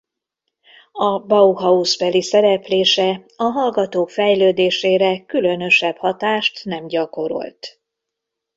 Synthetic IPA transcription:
ɒbɒuɦɒuzbɛlisɛɾɛpleːʃɛ | ɒɦɒlɡɒt̪oːkfɛjløːd̪eːʃeːɾɛkylønø̞ʃɛbhɒt̪aːʃt̪nɛmɟɒko̞ɾo̞̰lt̪

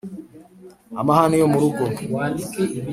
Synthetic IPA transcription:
amahanijomuɾuɡo

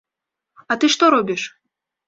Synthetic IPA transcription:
ɐt̪ɨʂt̪ɔɾɔbʲiʂ

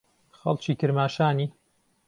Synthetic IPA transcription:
xɑ̰lt͡ʃiːkɨɾmaːʃaːniː

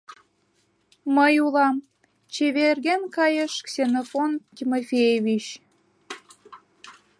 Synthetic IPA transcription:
məjulɑm | t͡ɕeβerɣenkɑjəʃksʲenofontʲimofʲejevʲit͡ɕ

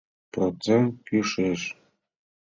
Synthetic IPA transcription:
prot͡sent̚kʲyʂɘʂ

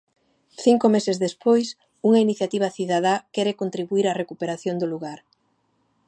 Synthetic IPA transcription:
θiŋkʊmesezðespojs | uŋɐiniθjat̪iβ̞aθiðaðakɛɾekont̪ɾiβuiɾarekupeɾaθjond̪ʊluɣaɾ

